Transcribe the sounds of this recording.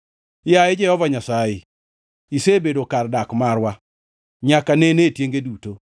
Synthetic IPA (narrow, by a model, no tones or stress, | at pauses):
jaɪd͡ʒɛhɔvaɲasaɪ | isebedokardakmaɾwa | ɲakanenetjeŋɡeduto